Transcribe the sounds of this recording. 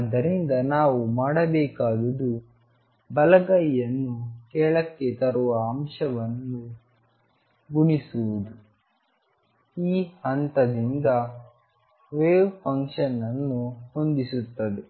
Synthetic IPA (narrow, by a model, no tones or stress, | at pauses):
ɐd̪ːɐɾind̪ɐnaːʋumaːɽɐbɛːkaːd̪ɐd̪u | bɐlɐɡɐjɐnːukɛːɭɐkːe̞t̪ɐɾuʋɐːmʂɐʋɐnːu | ɡuɳisuʋud̪u | iːhɐnt̪ɐd̪ind̪ɐ | ʋeːpʰɐŋkʂɐnːɐnːuhond̪isut̪ːɐd̪e